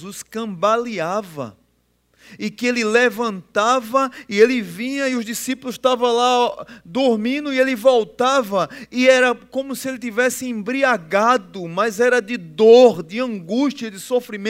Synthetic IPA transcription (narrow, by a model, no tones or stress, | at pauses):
zuskɐ̃baliavɐ̰ | ɪkɪelɪlevɐ̃nt̪avɐɪelɪvĩɲɐiʊzd̪isipulʊst̪avɐ̃lad̪oɾmĩnd̪ʊielɪvɔwt̪avɐɪɛɾɐkõmʊsɪelɪt̪ivɛsɪẽbɾiaɡad̪ʊmɐzɛɾɐd̪ɪd̪oɾd̪ɪɐ̃ɡuʃtiɐd̪ɪsofɾimẽ